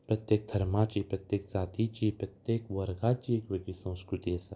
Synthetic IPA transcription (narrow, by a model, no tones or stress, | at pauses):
pɾɐt̪jek̚d̪ʱɐɾmaːt͡ʃipɾɐt̪jek̚zaːt̪it͡ʃipɾɐt̪jekʋɐɾɡaːt͡ʃiekʋeɡisɐ̃w̃skɾut̪iɐsɐ